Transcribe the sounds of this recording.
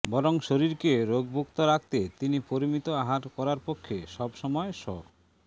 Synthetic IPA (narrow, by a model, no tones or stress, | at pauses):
bɔɾoŋʃoɾiɾkeɾoɡ̚bʱukt̪oɾak̚t̪et̪inipoɾimit̪oaɦaɾkɔɾaɾpokʰːeʃɔbʃɔmɔeʃɔ̰k